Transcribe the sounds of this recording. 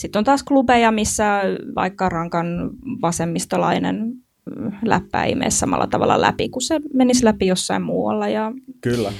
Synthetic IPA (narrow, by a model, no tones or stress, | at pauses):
sit̪ːont̪ɑːsklubejɑmisːæʋɑ̰ikːɑrɑŋkɑnʋɑsemːist̪olɑ̰inḛn | læ̰pːæ̰ḭmḛːssɑmɑ̰lːɑ̰t̪ɑʋɑ̰lːɑ̰læ̰pikusemenislæpijosːɑimmuːwɑ̰lːɑjɑkylːæ